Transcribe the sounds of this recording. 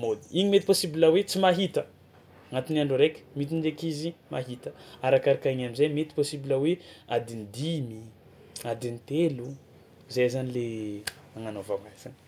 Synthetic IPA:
mod̪i̥iɲimet̪i̥posibilawet͡simaɦit̪ə | ŋat̪inaɳɖ͡ʐoɾekʲmit̪̬ind̪ekizimaɦit̪əaɾakaɾakaiɲamizajmet̪i̥posibilawead̪ind̪imi | ad̪int̪elu | zajzanile | aŋanovamazani̥

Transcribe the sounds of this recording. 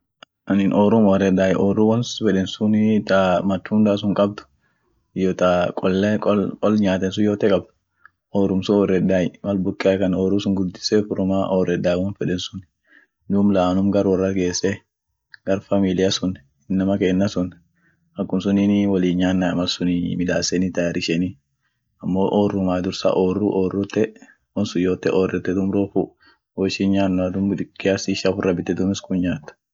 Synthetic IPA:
ʔɐnɪnʔɔːɾʊmɔɾɛd̪ːaːjʔɔːruwɐnfɛᶑɛnsʊnt̪amɐt̪ːund̪aːs̬ʊŋkʼɐb̚d̪ʊ̥ | ɪjɔːt̪akʼɔlːɛkʼɔkʼɔlɲaːt̪ɛns̬ʊjoːt̪ɛkʼɐb̚ | ʔɔːɾʊmsʊɔrːɛd̪aːjmɐlbʊkʼːɛɐkɐnɔːɾuːsʊŋɡʊd̪ːɪ̥sɛfʊɾʊmaːʔɔrɛd̪ːaːjwɔnfɛᶑɛnsʊn | d̪uːmlaːnʊmɡɐɾwɐrːɐɡeːsːɛ | ɡɐɾfɐmilɪjɐsʊn | ɪnːɐmɐkeːnːɐsʊn | ɐkːʊmsʊninwɐliːɲɲaːnːɐɐmɐlsʊnḭmɪd̪aːsɛnit̪ɐjɾɪʃɛni | ɐmːoːʔoːrːʊmaːd̪ʊɾsa̰ʔoːrːuʔoːrːʊt̪ːɛ | wɔnsʊjoːt̪ːɛʔɔːrːɛt̪ːɛd̪ʊmɾoːfʊ | wɔʃinɲaːnːɐd̪ʊmd̪ɪkːɪjasiʃafʊrːɐbɪt̪ːɛd̪ʊmɪskʊnɲaːt̪ːɐ̥

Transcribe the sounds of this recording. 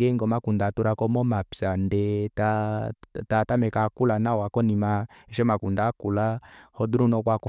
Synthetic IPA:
ɛŋɡɔmakundatuɾakɔmɔmapsandɛtatatamɛkakulanawakɔnimaɛʃɛmakundakulahɔduɾunɔkwak

